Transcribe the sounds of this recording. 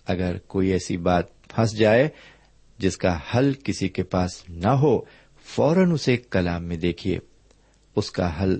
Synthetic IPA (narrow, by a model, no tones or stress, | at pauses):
ɐɡəɾkoːiɛːsibaːt̪̚ | pʰɐs̬d͡ʒaːe | d͡ʒɪskahɐlkɪsikepaːsnɐɦo | fɔːɾənʊsekɐlaːmːẽd̪eːkʰiḛː | ʊskaɦɐl